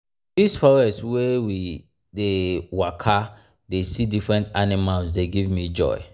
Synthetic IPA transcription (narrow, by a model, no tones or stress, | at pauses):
disfɔɹɛswewi | dewakʰa | desidifɹɛ̃ntanimalsdeɡivmid͡ʒɔ̰ɪ